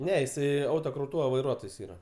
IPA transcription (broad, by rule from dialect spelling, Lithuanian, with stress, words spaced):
ˈnʲɛ jɪˈsɐɪ ˈɐʊtoːˌkrɐʊtuːʋɐ ʋɐɪˈruɔtoːjs ˈiːrɐ